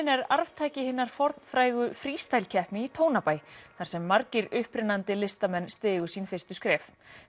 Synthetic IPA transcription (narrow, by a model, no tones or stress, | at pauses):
nɛɾaɾvt̪ʰaːjcɪhɪnːaɾ̥fɔɾt̪nfɾaːjɣʏfɾiːst̪ajlcʰɛhpnɪit̪ʰoːwnapaːjθaɾ̥sɛmːaɾcɪɾʏhpɾɪnant̪ɪlɪst̪amɛnːst̪ɪːɣʏ̥sinfɪr̥st̪ʏ̥skɾɛːf